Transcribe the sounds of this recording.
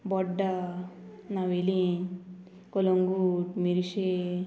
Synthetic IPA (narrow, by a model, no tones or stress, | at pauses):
bɔɖːa | naʋeli | koloŋɡuʈmiɾiʃe